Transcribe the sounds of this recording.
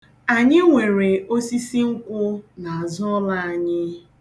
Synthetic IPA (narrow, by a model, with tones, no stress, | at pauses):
a˨ɲɪ˦ŋʷe˨ɾe˨ʔo˦si˦si˦ŋ̩˦kʷʊ˦na˨a˨zʊ˦ɔ˦la˦a˨ɲɪ˦